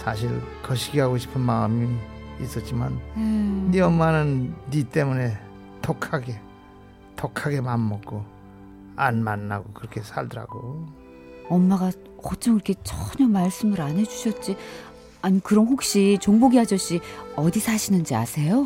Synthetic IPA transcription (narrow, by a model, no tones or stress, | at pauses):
sʰaɕ̬ʰiɭkʌɕʰiɡiɦaɡoɕʰi̥pʰɯnmamiis͈ʌt̚t͡ɕ͈imaneːiʌmmanɯnːit͈e̞mune̞ | tokʰaɡe̞ | tʌkʰaɡe̞manmʌk̚k͈ʰo | anmanːa̰ɡokɯɾʌkʰe̞sʰaɭdʌɾa̰ɡo | ʌmːaɡa | ʌt͡ɕʰʌŋiɾʌkʰe̞t͡ɕʰʌɲʌmaɭs͈ɯmɯɾanɦe̞d͡ʑuɕʰʌt̚t͡ɕ͈i | aɲikɯɾʌnɸok̚ɕ͈it͡ɕoŋboɡiɦad͡ʑʌɕ͈iʌdisʰaɕʰinɯnd͡ʑiasʰe̞jo